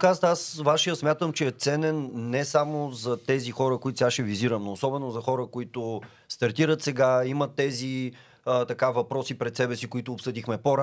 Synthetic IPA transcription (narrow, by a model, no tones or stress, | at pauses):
kazət̪asvaʃijət̪smʲjat̪əmt͡ʃɛɛt̪sɛnɛnːɛsamozɐt̪ɛzixɔɾəkoit̪sɛɡaʃɛviziɾəmnoːsɔbɛnozɐxɔɾəkoit̪ʊ | st̪ɐɾt̪iɾət̪sɛɡaimət̪ːɛzi | ət̪ɐkavɐpɾɔsipɾɛt̪sɛbɛsikʊit̪ʊːpsɤd̪ixmɛpoɾa